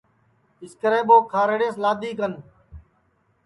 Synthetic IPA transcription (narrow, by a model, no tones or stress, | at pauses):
ɪskəɾẽːɓoːkʰaːɾeɽeːslaːd̪iːkən